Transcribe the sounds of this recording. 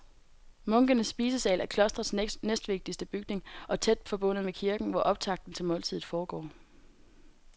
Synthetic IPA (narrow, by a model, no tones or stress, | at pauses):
mɔ̽ŋɡ̥ənəsːb̥iːsəsɛlʔæɐkʰlɒ̽sd̥ʁɐsnesd̥ʋe̝ɡ̥̚d̥isd̥əb̥yɡ̥ne̝ŋʔɒ̽t͡sʰed̥fɒ̽b̥ɔ̽n̰ð̩ˠmekʰiɐɡ̥n̩ʋɒʔɒ̽b̥̚t͡sʰɑ̈ɡ̥̚d̥n̩t͡sʰe̝lmɔ̽ːlt͡sʰið̞̰̩ˠfɒːɡ̥ɒ̰ː